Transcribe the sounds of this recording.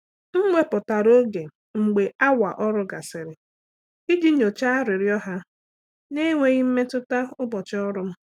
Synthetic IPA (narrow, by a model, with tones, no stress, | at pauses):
ŋ͡m̩˦ɡ͡be˦pʊ˨ta˨ɾo˦ɡe˨ | ŋ͡m̩˨ɡ͡be˨a˦wa̰˨ʔɔ˦ɾʊ˦ɡa˨sɪ˨ɾɪ˨ | i˦d͡ʒi˦ɲo˨t͡ʃa˦ɾɪ˨ɾjɔ˦ɦa˦ | ne˦ŋʷe˦ɣɪ˦m̩˦me˦tʊ˦ta˦ʊ˦bɔ˨t͡ʃɪ˦ɔ˦ɾʊ˦m̩˦